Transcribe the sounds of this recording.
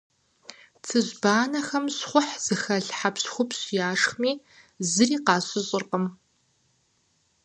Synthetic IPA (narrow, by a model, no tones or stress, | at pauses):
t͡sʰɨʑbaːnɐxɐmɕχʷʊħz̥ɨxɐɮħapɕxʷʊpɕjaːʂxmiː | zɨriːqɑːɕɨɕʼɪrqəm